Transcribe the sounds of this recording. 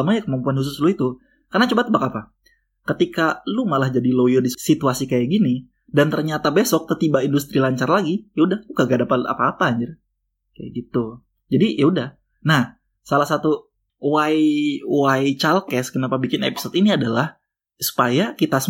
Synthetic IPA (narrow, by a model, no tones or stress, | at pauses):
maɲakəmampuanhus̬ʊsluit̪u | karnat͡ʃobat̪əbakapa | kət̪ikalumalahd͡ʒadilojərdissit̪uasikajaɡini | dant̪ərɲat̪abesɔk̚t̪ət̪ibaindust̪ɾilaɲt͡ʃarlaɡijaudahkuɡaɡaʔdapat̪a̰paːpaɲd͡ʒa | kaja̰ɡit̪u | d͡ʒadijaudah | nah | salahsat̪u | waiwait͡ʃalkɛskənapabikɪnḛpi̥sɔt̪iniadalah | su̥pajakit̪as